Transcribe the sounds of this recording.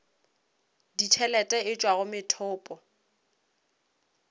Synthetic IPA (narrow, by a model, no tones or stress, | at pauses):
ditʰɛlɛtʼɛɪt͡ʃʼwaɣʊmɪtʰʊːpʼɔ